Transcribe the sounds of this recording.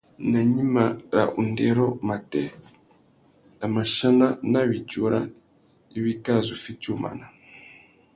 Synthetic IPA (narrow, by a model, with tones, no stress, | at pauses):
na˨ɲi˦ma˨ɾa̰˨ʔu˨ndɛ˨ɾɔ˦ma˨tɛ˨ | a˨ma˨ʃa˦na˦na˦βi˨cu˦ɾa˦ | i˦βi˦ka˦˨zu˨fi˦t͡ʃu˦˨ma̰˨na˨